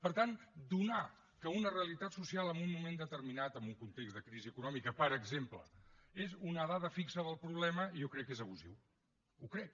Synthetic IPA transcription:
pəɾt̪and̪una | kəunəreəlit̪at̪susialˠəmbunːumẽnd̪ət̪əɾminat̪əmbuŋkunt̪ekzðəkɾiziəkunɔmikəpəɾəɡzemplə̰ezunəðaðəfiksəðəlˠpɾuβ̞lɛməijokɾɛkːezəβ̞uzḭw | ukɾɛk̚

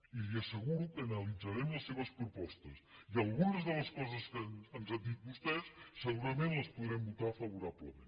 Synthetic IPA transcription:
iliəsəɣuɾukənəlid͡zaɾɛmləsːeβ̞əspɾupɔst̪əsiəlˠɣunəzðələskɔzəskəənzand̪it̪̚bust̪ɛsːəɣuɾəmẽnləspuðɾɛmbut̪afəβuɾaβləmḛ̃n

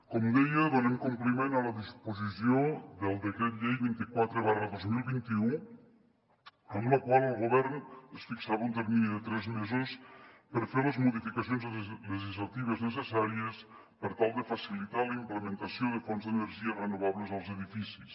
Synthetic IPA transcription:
kɔmd̪ɛjəðonɛmkumplimenaləðispozisiod̪elˠd̪ekɾɛt̪ʎejβint̪ikwat̪ɾeβarəðozmilˠβint̪iu | ənlokwalˠəlˠɣoβɛɾnəsfiksaβaunt̪eɾminiðət̪ɾɛzmezospəɾfeɾləzmuðifikasjonzleʒizlat̪iβ̞əznəs̬esaɾiəs | pəɾt̪alˠd̪əfasilit̪aləimpləmẽnt̪asjoðəfɔnzðəneɾʒiərenoβaβləzalˠzeðifisis

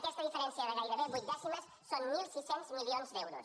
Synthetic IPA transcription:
kɛst̪ɐðifeɾensjaðeɣajɾaβeβuj̪ɛsimesːonmilˠsisenzmiljonzd̪ɛwɾos

